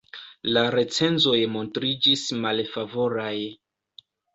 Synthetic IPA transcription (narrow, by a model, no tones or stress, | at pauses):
laɾe̞t͡se̞nzo̞jmo̞ntɾid͡ʒismalfavo̞ɾaj